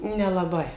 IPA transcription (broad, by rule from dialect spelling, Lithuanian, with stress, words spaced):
nʲɛlˠɐˈbɐɪ